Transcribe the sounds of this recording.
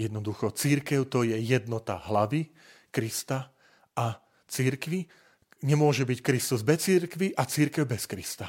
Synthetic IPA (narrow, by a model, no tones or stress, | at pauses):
jɛd̪nɔd̪uxɔt͡siɾkɛʊt̪ɔjɛjɛd̪nɔt̪a̰ɦlaʋi | kɾist̪a | a | t͡siɾkʋi | ɲɛmʊɔʒɛbickɾist̪uzbɛt͡siɾkʋiʔat͡siɾkɛʊbɛskɾist̪a